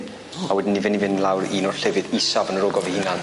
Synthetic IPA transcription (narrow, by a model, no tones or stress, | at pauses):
awɛdɪnːivɪnivɪnlˠawɾiːnɔrɬɛvɨdisavənəɾɔɡɔvehɪnan